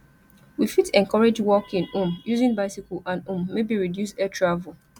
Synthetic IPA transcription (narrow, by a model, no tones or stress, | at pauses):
wifitɛ̃ŋkɔɹed͡ʒwɔkĩnũmjuzĩnbaɪsikoʔãnũmːebiɹidjus̬ɛtʰɹavul